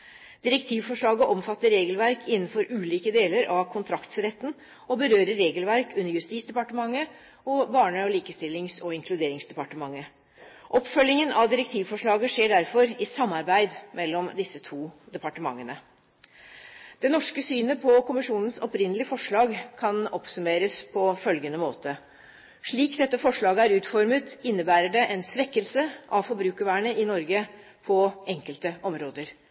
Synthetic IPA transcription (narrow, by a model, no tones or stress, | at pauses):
d̪̥ɪɾɛkt̪ʰiːʋfɔʂɭɑːɡəʔɔmfɑt̪ːəɾeːɡəlʋæɾkʰɪnːn̩fɔɾʉːliːkəd̪eːləɾʔɑʋkʰʊnt̪ʰɾɑkt̪sɾɛt̪ːn̩ | ɔbəɾøːɾəɾeːɡəlʋæɾkʉnːəɾjʉst̪iːsd̪ɛpɑʈəmɑŋːə | ɔbɑːɳəɔliːkəst̪ɪlːɪŋsɔɪŋkʰlʉd̪eːɾɪŋsd̪ɛpɑʈəmɑŋːə | ʔɔpːfœlːɪŋənʔɑʋd̪ɪɾɛk̚t̪ʰiːʋfɔʂɭɑːɡəʂeːɖæɾfɔɾɪsɑmːɑɾbæɪd̪mɛlːɔmd̪ɪsːət̪ʰuːd̪ɛpɑʈəmɑ̰ŋːənə | d̪̥ɛnɔʂkəsyːnəpʰɔkʊmɪʂuːnən̩sɔpɾɪnəlɪəfɔʂɭɑːɡkʰɑnɔpsʉmeːɾəspʰɔfœlɡənəmoːt̪ʰə | ʂɭiːkd̪ɛt̪ːəfɔʂɭɑːɡəæɾʉːt̪fɔɾmət̪ɪnːəbæːɾəɖɛʔɛnsʋɛkːəlsəʔɑʋfɔɾbɾʉːkəʋæːɳəɪnɔɾɡə | pʰɔɛŋkəlt̪əʔɔmɾoːd̪əɾ